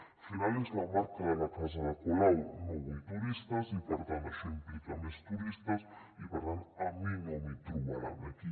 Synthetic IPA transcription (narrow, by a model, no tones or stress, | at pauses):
finalezlamaɾkaðelakasaðekulawnoβut̪uɾist̪asipoɾt̪ansemplikamest̪uɾist̪as | ipeɾt̪anaminomit̪uβala̰ðaki